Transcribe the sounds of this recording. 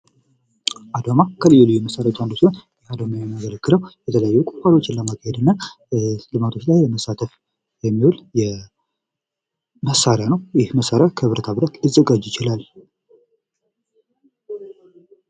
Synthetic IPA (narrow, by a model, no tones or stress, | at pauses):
ʔad̪amakʰəlɨjːulɨjːuməsaɾjat̪ʼand̪osonjɛad̪omajamaɡələkːɨləwjɛt̪ʰələjajːɛkʼufalo̞t͡ʃːɪnləmakʰːahɛd̪ɨnːa | lɨmat̪ʰo̞t͡ʃːlajməsat̪ʰəf | jɛmːiholjɛ | məsaɾjanəwjɪhməsaɾjakʰəβɾət̪ʰaβɨɾat̪lɨzːəɡad͡ʒjɪt͡ʃɪlal